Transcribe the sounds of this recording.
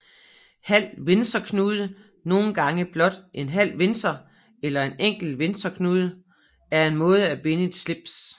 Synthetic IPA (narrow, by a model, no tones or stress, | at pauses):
hæl̰ʋe̝nsd̥ɐkʰnuːð̞ˠə | no̝ːn̩ɡ̥ɑ̈ŋəb̥lɒ̽d̥ʔe̝nɦæl̰ʋe̝nsɐ | elɐe̝neŋ̰ɡ̥l̩ʋe̝nsd̥ɐkʰnuːð̞ˠə | æɐe̝nmɔ̽ːð̞̩ˠəæb̥e̝nəe̝d̥sle̝b̥s